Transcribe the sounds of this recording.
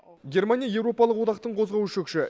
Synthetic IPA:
ɡʲe̞rmanijɑje̞wɾo̞pɑlˠəqwo̞d̪ɑqt̪əɴqʰozʁɑwʃekʃɪ

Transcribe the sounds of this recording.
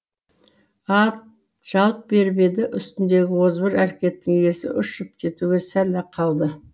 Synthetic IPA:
ɑt̪̚ | ʒ̥ɑlˠp̚be̞ɾbe̞d̪ɪʔʏst̪ɪnd̪e̞ɡʲɪwo̞zbɪɾæɾkʲe̞t̪ːɪŋe̞sɪ̰ʔʏʃʒ̥ʏp̚kʲʰe̞t̪uɡʲe̞sælːæqʰɑlˠd̪ə

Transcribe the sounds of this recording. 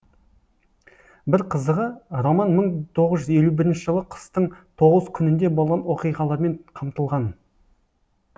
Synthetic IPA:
bɪɾqʰəzd̪əʁəɾomɑnməɴt̪ʰo̞ʁəzʒʏze̞lubɪɾɪnʃɪʒəlˠəqʰə̥st̪əɴt̪ʰo̞ʁəzkʲʰʏnɪnd̪e̞bo̞lˠʁɑnwo̞qijʁɑlˠɑɾme̞ɴqʰɑmt̪əlˠʁɑn

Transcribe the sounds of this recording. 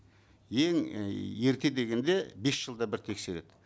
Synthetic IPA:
je̞ŋe̞ɾt̪e̞d̪e̞ɡʲe̞nd̪e̞be̞sʒ̥əlˠd̪ɑbɪɾt̪ʰe̞kse̞ɾe̞̰d̪̥ɪ

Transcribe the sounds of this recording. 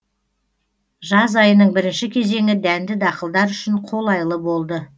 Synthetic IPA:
ʒɑzɑjənəɴbɪɾɪnʃɪkʲʰe̞ze̞ŋɪd̪ænd̪ɪd̪ɑqəlˠd̪ɑɾʏʃɪɴqʰo̞lˠɑjəlˠəbo̞lˠd̪ə

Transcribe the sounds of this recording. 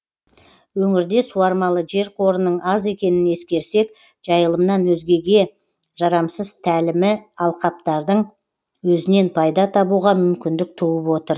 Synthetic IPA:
wɵŋɪɾd̪e̞suɑɾmɑlˠəʒe̞ɾqʰo̞ɾənəɴɑze̞kʲe̞nɪne̞skʲe̞ɾse̞k | ʒ̥ɑjəlˠəmnɑnwɵzɡʲe̞ɡʲe̞ | ʒ̥ɑɾɑmsəz̥t̪ʰælɪmɪɑlˠqɑp̚t̪ɑɾd̪əɴ | wɵzɪne̞npʰɑjd̪ɑt̪ʰɑbuʁɑmʏmkʲɪnd̪ɪk̚t̪ʰuwəpwo̞t̪əɾ

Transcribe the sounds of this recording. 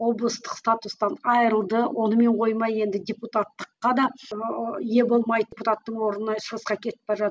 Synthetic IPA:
wo̞blˠəst̪əqst̪at̪ust̪ɑnɑjɾəlˠd̪əwʔo̞nəme̞ɴqʰo̞jmɑje̞nd̪ɪdʲeput̪at̪ːə̥qːɑd̪ɑ | je̞bo̞lˠmɑjd̪ʲeput̪at̪ːəɴwo̞ɾənəʃəʁəsqɑkʲʰe̞t̪ɪ̥p̚pɑɾʒɑt̪

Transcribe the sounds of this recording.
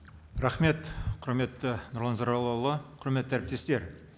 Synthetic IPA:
rɑχme̞t̪qʰʊɾme̞t̪ːɪnʊɾlˠɑnzɑɾɑlˠɑwlˠəqʰʊɾmet̪ːt̪ʰæɾɪp̚t̪e̞st̪e̞ɾ

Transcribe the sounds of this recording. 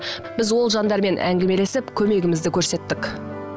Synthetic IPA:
b̥ɪzwo̞lˠʒɑnd̪ɑɾme̞nʔæ̰ŋɡʲeme̞le̞sɪpkʲʰɵme̞ɡʲɪmɪzd̪ɪkʲʰɵɾse̞t̪ːɪk

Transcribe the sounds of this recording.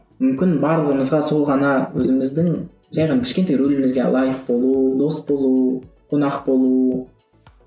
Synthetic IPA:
mʏmkʲɪnbɑɾlˠəʁəməzʁɑso̞lˠʁɑnɑwɵzɪmɪzd̪ɪŋ | ʒɑjʁɑnkʲʰɪ̥ʃkʲent̪ejɾɵlɪmɪzɡʲe̞lˠɑjəq̚bo̞lˠud̪o̞sbo̞lˠuqʰonɑqbo̞lˠu

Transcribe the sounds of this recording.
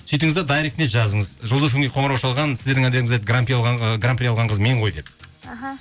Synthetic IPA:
sɵjt̪ɪŋɪzed̪ɑjɾekt̪net̪ʒɑzəɴəzʒəlˠəzkʰʲʏŋɡʲejqʰo̞ɴəɾɑwʃɑlˠʁɑnsɪzd̪eɾd̪ɪŋæd̪e̞ɾɪŋɪzet̪ɡrampijɑlʁɑɡrampjɑlˠʁɑɴqəzme̞ɴʁʰo̞jd̪e̞p̚

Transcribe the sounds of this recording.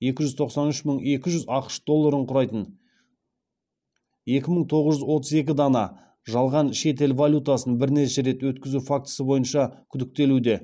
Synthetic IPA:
je̞kʲɪʒʏzt̪ʰo̞qsɑnʏʃməɴe̞kʲɪʒʏzɑqə̥ʃd̪o̞lˠːaɾəɴqʰʊɾɑjt̪ən | je̞kʲɪməɴt̪ʰo̞ʁəzʒʏzwo̞t̪əze̞kʲɪd̪ɑnɑ | ʒɑlˠʁɑnʃe̞t̪̬e̞lvalʲjut̪asənbɪɾne̞ʃe̞ɾe̞t̪wɵt̪kʲɪzufak̚t̪ə̥səbo̞jənʃɑkʲʰʏd̪ɪk̚t̪e̞lud̪e̞

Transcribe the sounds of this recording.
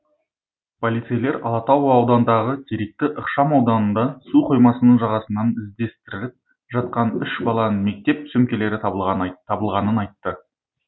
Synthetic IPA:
pʰolˠijt̪sejle̞ɾɑlˠɑt̪ɑwːwd̪ɑnd̪ɑʁət̪ʲʰiɾek̚t̪ɪʔəqʃɑmɑwd̪ɑnənd̪ɑsuqʰo̞jmɑsənəɴʒɑʁɑsənɑnɪzd̪e̞st̪ɪɾɪlɪp̚ | ʒɑt̪̚qɑnʏʃbɑlˠɑnəme̞k̚t̪e̞p̚t̪ʰsɵmkʲe̞le̞ɾɪt̪ʰːɑbəlˠʁɑnənɑjt̪ːə

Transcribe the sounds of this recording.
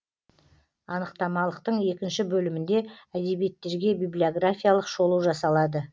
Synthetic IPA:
ɑnəqt̪ɑmɑlˠəq̚t̪əɴje̞kʲɪnʃɪbɵlɪmɪnd̪e̞æd̪e̞bije̞t̪ːe̞ɾɡʲe̞bijblʲijo̞ɡrafʲijalˠəqʒo̞lˠəwʒɑsɑlˠɑd̪ə

